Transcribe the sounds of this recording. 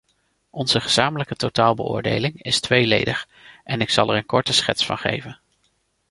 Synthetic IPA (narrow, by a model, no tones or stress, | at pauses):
ɔnz̥əχəz̥aːmələkətowtaːlˠbə̰ʔʊ̰ːɹdḛjlɪŋɪstʋejlejdəχ | ʔɛnɪksɑlˠɛɹənkɔɹtəsχɛ̰tsfɑ̰nχḛjvən